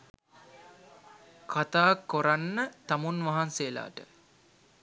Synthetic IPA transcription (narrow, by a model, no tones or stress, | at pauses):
kʰat̪aːkːoɾanːət̪amunʋaɦansela̰ːʈə